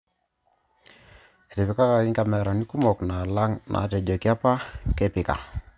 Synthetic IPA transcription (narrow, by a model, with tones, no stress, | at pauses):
ɛ˨tɛ˨pi˨ka˦ka˨i˦ŋka˨mɛ˨ɾa˨ni˦ku˦mɔ˨kna˨la˦ŋnʔa̰˨tɛ˨d͡ʒɔ˨ki˦a˦pa˦kɛ˦pɪ˨ka̰˨